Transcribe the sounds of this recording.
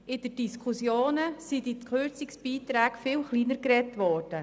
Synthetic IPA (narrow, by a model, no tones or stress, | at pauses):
ʔɪd̥əd̥iskʰusjoːnəsidikʰøɾt͡sɪksb̥iːtɾæːɡfɪːlχliːnəɾkɾɛtʋɔːɾd̥ə